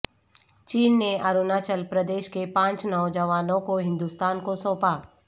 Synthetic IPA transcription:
t͡ʃiːnːeaɾunaːt͡ʃəlpɾəd̪eːʃkepãːt͡ʃnɔːd͡ʒəʋaːnõkoɦɪ̃nd̪ust̪aːnkosõːpaː

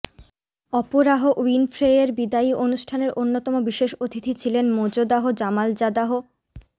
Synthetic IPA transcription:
ɔpoɾaɦoʔinfɾeeɾbid̪aiʔonuʃʈʰaneɾʔonːot̪ɔmobiʃeʃot̪ʰit̪ʰit͡ɕʰilenmod͡ʑod̪aɦod͡ʑamald͡ʑad̪aɦo

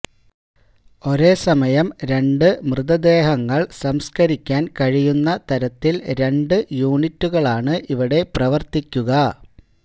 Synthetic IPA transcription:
o̞ɾe̞ːsɐmɐjɐmɾe̞ɳɖɨmrɨðɐd̪e̞ːɦɐŋːɐɭsɐmskɐɾikʲːaːnkɐɻijunːɐt̪ɐɾɐt̪ːilɾe̞ɳɖɨjuːɳitːuɣɐɭaːɳɨʔiʋiɽe̞prɐʋɐrt̪ikʲːuɣɐ

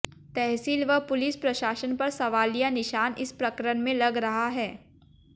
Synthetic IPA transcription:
t̪ɛɦsiːlʋɐɦpʊlɪspɾɐʃaːʃənpɐɾsɐʋaːlijanɪʃaːnɪ̰spɾɐkɾəɽmẽlɐɡɾɐɦaɦɛː

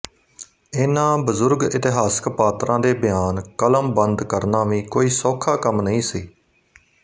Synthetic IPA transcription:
ɪːnãːbəzʊɾɡɪt̪ɪɦaːskpaːt̪ɾʔãːd̪eːbɪjaːnkələmbənd̪kəɾnaːʋĩːkoːiːsoːkʰaːkəmnəĩːsiː

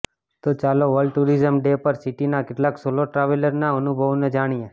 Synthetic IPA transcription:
t̪ot͡ʃaloʋəɾɭɖʈuɾizəmɖepəɾsiʈinakɪʈlaksoloʈɾaʋiləɾnaənubʱəʋned͡ʒaɽ̃ie

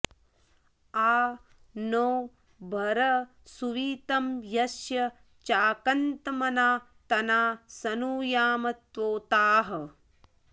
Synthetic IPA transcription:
aː | noː | bʱɐɾɐ | suʋiːt̪ɐmjɐsjɐ | t͡ʃaːkɐnt̪ɐmɐnaː | t̪ɐnaːsɐnuːjaːmɐt̪ʋoːt̪aːɦɐ̆

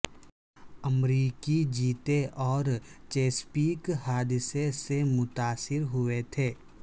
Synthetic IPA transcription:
əmɾiːkid͡ʒiːt̪eʔɔːɾt͡ʃeːspiːkhaːd̪ɪsesemʊt̪aːsɪɾɦʊet̪ʰeː

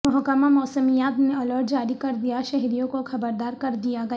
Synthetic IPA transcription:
mɔɦkəmamɔːsəmijaːt̪neɔːlɔːʈd͡ʒaːɾikɐɾd̪ijaʃɛɦɾijõkoxɐbəɾd̪aːɾkɐɾd̪ijaɡɐ

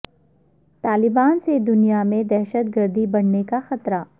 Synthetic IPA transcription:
t̪aːlɪbaːnsed̪ʊnijamẽd̪ɛːʃət̪̚ɡəɾd̪ʱibɐɽnekaxɐt̪ɾa

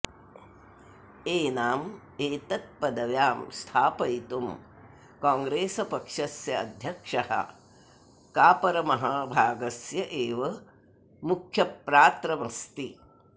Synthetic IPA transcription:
eːnaːm | eːt̪ɐt̪̚pɐd̪ɐʋjaːmst̪ʰaːpɐjt̪um | kaːŋɡɾeːsɐpɐkʂɐsjɐɐd̪ʱjɐkʂɐhɐ̰ | kaːpɐɾɐmɐɦaːbʱaːɡɐsjɐʔeːʋɐ | mukʰjɐpɾaːt̪ɾɐmɐst̪i

